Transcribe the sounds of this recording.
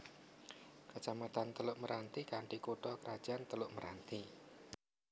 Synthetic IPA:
kət͡ʃamat̪ant̪əlʊʔməɾʔant̪ikaɳʈikuɖɔkəɾad̥ʒ̥aʔant̪əlʊʔməɾʔa̰nt̪i

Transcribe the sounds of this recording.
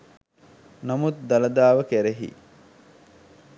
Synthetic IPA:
nɐmut̪d̪ɐlɐd̪aːʋɐkeɾeɦḭ

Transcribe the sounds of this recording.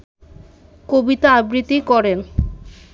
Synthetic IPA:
kobit̪aabɾit̪ːikɔɾen

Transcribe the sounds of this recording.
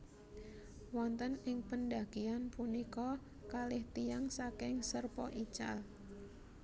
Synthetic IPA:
wɔnt̪ənɪŋpənɖaɡ̥ianpunikɔ | kalɪht̪ijaŋsakɪŋsərpɔ̰ʔit͡ʃa̰l

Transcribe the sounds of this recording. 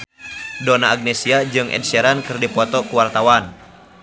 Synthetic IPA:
dɔnaːɡ̚nɛsiad͡ʒɨŋʔɛ̰nsɛɾankɨrdipɔt̪ɔkuwart̪awan

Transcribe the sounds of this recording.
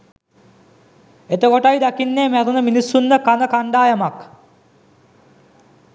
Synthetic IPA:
et̪əkoʈajd̪akinːeːmæɾunəminisːunːəkanəkaɳɖaːjəmak

